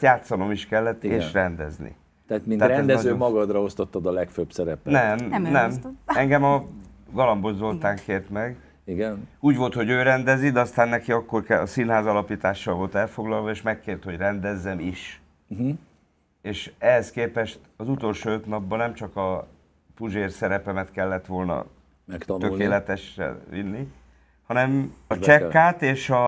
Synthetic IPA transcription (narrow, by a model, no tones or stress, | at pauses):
jaːt̪sːɒno̞miʃkɛlːɛt̪ːeːʃrɛnd̪ɛ̰znḭ | t̪ɛat̪minɛːɾd̪ɛøːmɒɡɒd̪rɒo̞st̪ot̪ːɒd̪ɒlɛkføbsɛɾɛpɛnɛmnɛmɛŋɡɛmɒɡɒlɒmbo̞zolt̪aːŋkeːrt̪mɛɡ | iɡɛnuːɟʋo̞lt̪ho̞ɟøːɾɛnd̪ɛzid̪ɛɒst̪aːnːɛkiɒkːo̞rkɛɒ̰sinɦaːzɒlɒpiːt̪aːʃːɒlvo̞lt̪ɛlfo̞ɡlɒlvɒeːʃmɛkːeːrt̪ho̞ɟrɛnd̪ɛzːɛmiʃ | eːʃɛɦɛskeːpɛʃt̪ɒzut̪o̞lʃoːøt̪nɒbːɒnɛmt͡ʃɒkɒ | puʒeːrsɛɾɛpɛmɛt̪kɛlːɛt̪ʋo̞lnɒ̰ | t̪økeːlɛt̪ɛʃːɛ̰nʋḭnːi | hɒnɛmɒt͡ʃɛkːaːt̪eːʃɒ